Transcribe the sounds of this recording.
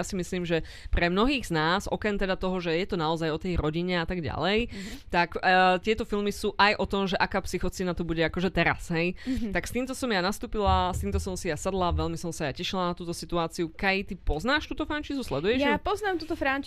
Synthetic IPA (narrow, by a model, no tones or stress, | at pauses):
asimisliːmʒɛ | pɾɛmnɔɦiːɣz̥naːzɔ̰kɾɛnt̪ɛd̪at̪ɔɦɔʒɛjɛt̪ɔnaɔzajɔt̪ɛjɾɔɟiɲɛat̪aɡɟa̰lɛjt̪akt̪ɪɛt̪ɔfilmisuːʔajʔɔt̪ɔmʒɛʔakaːpsixɔt͡sinat̪ɔbuɟɛakɔʒɛt̪ɛɾa̰sɦɛjt̪akst̪iːmt̪ɔsɔmjanast̪uːpilast̪iːmt̪ɔsɔmsijasad̪laʋɛlmisɔmsajacɛʃilanat̪uːt̪ɔsit̪uaːt͡siukɛjt̪ipɔznaːʃt̪uːt̪ɔfɾant͡ʃiːzuslɛd̪ujɛʒapɔznaːmt̪uːt̪ɔfɾant͡ʃ